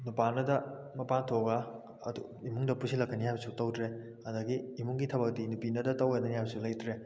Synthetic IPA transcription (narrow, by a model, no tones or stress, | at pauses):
nupanɐdɐ | mɐpantʰoɡa | ɐ̰du | imuŋdɐpusilɐkːɐniɦajbɐsutɐwdɾe | ɐdɐɡiːmuŋɡitʰɐbɐk̚dinupinɐdɐtɐwɡanɐniɦajbɐsulɐjtɾe